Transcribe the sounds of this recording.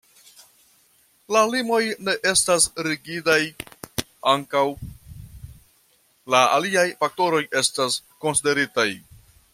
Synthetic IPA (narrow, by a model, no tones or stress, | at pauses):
lalimo̞jne̞ʔe̞stasɾiɡidaj | aŋkaw | laa̰liajfak̚to̞ɾo̞je̞stasko̞nside̞ɾitaj